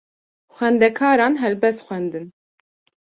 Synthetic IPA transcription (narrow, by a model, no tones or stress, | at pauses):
xʷɛnd̪ɛkʰɑːɾɑːnɦɛlbɛst̪xʷwɛnd̪ɨn